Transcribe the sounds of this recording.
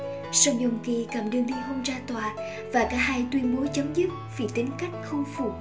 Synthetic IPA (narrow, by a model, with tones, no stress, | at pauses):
sɔ˧˩wɲo˨˩ŋ͡mki˨˩kaː˧˩mɗɨ˧əŋɗi˧ɦo˧nzaː˧t̪waː˨˩ | vaː˨˩kaː˧˦˥haː˧jt̪wi˧ənɓo˨˦t͡ɕə˨˦ŋ͡mzɨ˦˥p̚vi˧˩t̪ï˨˦ŋ̟ka˦˥jk̟̚xə˧wŋ͡mfu˧˩